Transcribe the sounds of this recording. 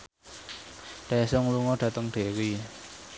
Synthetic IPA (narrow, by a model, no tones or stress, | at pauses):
d̥ɛsʊŋluŋɔɖ̥ä̤t̪əŋɖ̥e̤wi